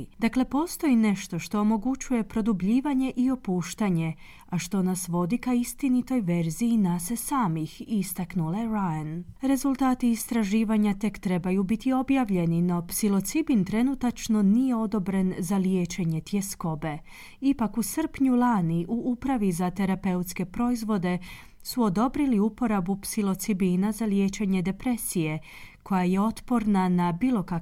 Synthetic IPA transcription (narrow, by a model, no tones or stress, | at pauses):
d̪akle̞po̞ːst̪o̞ine̞ʃt̪o̞ʃt̪o̞omo̞ɡut͡ʃuje̞pɾo̞d̪ubʎiːʋaɲe̞ʔio̞puːʃt̪aɲe̞ | aʃt̪o̞nasʋo̞d̪ikaist̪init̪o̞jʋe̞ɾziːnasesaːmixist̪aknuleɾajanɾe̞zulˠt̪aːt̪iːst̪ɾaʒiːʋaɲat̪e̞kt̪ɾe̞bajubit̪io̞bjaʋʎe̞nino̞psilo̞t̪sibint̪ɾe̞nut̪at͡ʃno̞nije̞o̞d̪o̞bɾe̞nzalje̞ːt͡ʃe̞ɲe̞t̪je̞sko̞be̞ | ipakusər̩pɲulˠaːniʔuʔupɾaʋizat̪e̞ɾape̞ut̪ske̞pɾo̞izʋo̞d̪e̞ | suo̞d̪o̞bɾiliupo̞ɾabupsilo̞t̪sibinazalje̞ːt͡ʃe̞ɲe̞d̪e̞pɾe̞sije̞ | kʰo̞jaje̞o̞t̪po̞ɾnanabiːlo̞ka